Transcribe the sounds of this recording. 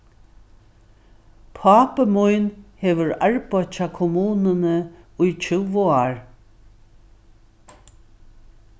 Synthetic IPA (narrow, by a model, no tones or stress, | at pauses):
pʰɑːpəmujnheːʋəɹaɹpɔt͡ʃakʰʊmuːnənəʊjt͡ʃʰʏwoaɹ